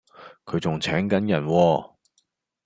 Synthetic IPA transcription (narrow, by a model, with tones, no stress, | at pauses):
kʰɵ˨˧ɥt͡sʊ˨ŋt͡sʰɛː˨˥ŋkɐ˨˥njɐ˨˩nwɔː˧